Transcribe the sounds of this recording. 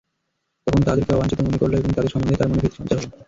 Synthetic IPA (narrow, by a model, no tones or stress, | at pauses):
t̪ɔkʰont̪ad̪eɾkeɔbant͡ɕit̪omonekoɾloeboŋt̪ad̪eɾʃɔmond̪ʱet̪aɾmonobʱit̪ʃʰɔnt͡ɕaɦ